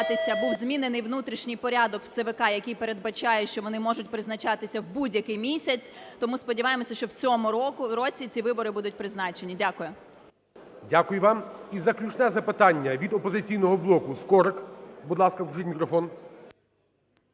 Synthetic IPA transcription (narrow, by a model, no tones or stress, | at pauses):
t̪ɪsʲɐbuwzmʲinɪnɪjʋnut̪ɾʲiʃnʲɪjpɔɾʲad̪ɔkw̥t̪seʋekɑjɐkɪjpeɾe̞d̪̚bɐt͡ʃɑjɛʃt͡ʃɔʋɔnɪmɔʒʊtʲpɾɪznɐt͡ʃɑt̪ɪsʲɐwbudʲjɐkɪjmʲisʲɐt͡sʲt̪ɔmuspɔdʲiʋɑjemɔsʲɐʃt͡ʃɔwt͡sʲɔmʊɔkɾɔt͡sʲit͡sʲiʋɪbɔɾɪbud̪ʊt̚ʲpɾɪznɑt͡ʃenʲidʲakʊjɛ | dʲakʊjʊʋɑmizɐklʲut͡ʃnɛzɐpɪt̪ɑnʲːɐʋʲid̪ɔpɔzɪt͡sʲijnɔɦɔblˠɔkʊskɔɾɪkbud̪lˠɑskɐkʊʒɪtʲmʲikɾɔfɔn